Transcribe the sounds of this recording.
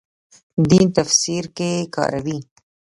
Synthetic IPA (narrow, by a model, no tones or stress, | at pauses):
d̪int̪afsiɾkekɑ̰ːɾawi